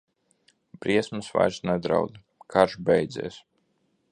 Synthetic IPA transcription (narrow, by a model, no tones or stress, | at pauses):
b̥ɾiɛsmɨsva̰jsnɛd̪ɾa̰wd̪ | kʰaɾʒbɛjd̪zɛ̰ːs